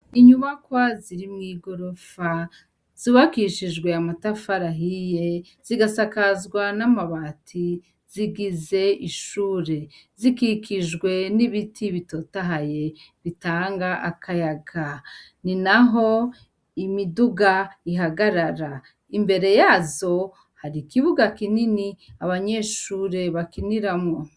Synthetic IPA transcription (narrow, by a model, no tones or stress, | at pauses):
iɲuβakwaziɾimŋiːɡo̞ɾo̞fa | z̥iβakiʃid͡ʒɡwe̞amatafaɾaɦije | z̥iɡasakazɡwanamaβaːtʰi | z̥iɡize̞iʃuːɾe̞ | zikikʰiʒɡwe̞niβitʰiβito̞taɦaje̞ | βitaːŋɡaʔakʰajaɡa | ninaɦo̞ | imiduɡaiɦaɡaɾaɾa | imbe̞ɾe̞jaːzo̞ | haɾikiβuɡakininiaβaɲeʃuːɾe̞βakiniɾamŋo